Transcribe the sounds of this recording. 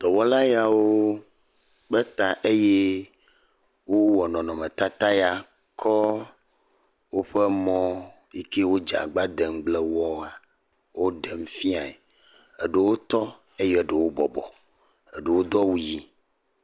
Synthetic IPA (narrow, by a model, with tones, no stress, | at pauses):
d̪̥ɔ˨wɔ˦la˦ja˨wo˦ | be˦t̪a˨ʔe˦je˦ | wo˦wɔ˨nɔ̃˨nɔ̃˨mẽ˨t̪a˦t̪a˦ja˨ | kʰɔ˦ | wo˦ɸe˦mɔ̃˦ | i˦ke˦wo˦d͡ʒa̰˨ɡ͡ba˦d̪e˨ŋ̩˦ɡ͡ble˦wɔ˦a˨ | wo˦ɖe˨m̩˦fi˦a˨e˨ | e˨ɖe˨wo˦t̪ɔ˦ | e˦je˦˨ɖe˨wo˦bɔ˨bɔ̰˨ | e˨ɖe˨wo˦d̪ɔ˦wu˦ji˦